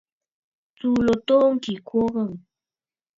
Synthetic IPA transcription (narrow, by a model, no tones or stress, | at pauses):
t͡sulot̪oŋkɪkʰoɢɑŋ